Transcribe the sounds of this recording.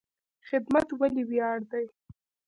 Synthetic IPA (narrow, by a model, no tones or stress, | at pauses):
xɪd̪mat̪waliwjɑɽd̪aj